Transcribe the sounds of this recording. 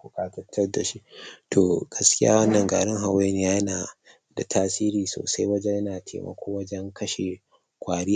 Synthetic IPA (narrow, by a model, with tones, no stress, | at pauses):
kʷu˨kaː˦tɐ˦tʰːɐ˦rda˨ʃi˦ʔtʰoː˨ɡ̥ɐ˦skʲɪ˦ja̰ː˦wɐ˦nːɐ˨ŋɡa̰ː˨ɽɪ˦ŋɦa˨we˦ni˦jaː˦jnaː˨ | da˨tʰaː˦siː˦ɾiː˨so̰ː˨sa˦jwɐ˦d͡ʒɛ˦ɲjɐ˦naː˨tʰḛː˨mɐ̰˨kʰʷoː˦wɐ˦d͡ʒɛ˦ŋkɐ˦ʃe˨ | kʷaː˨ɽɪ˦a˨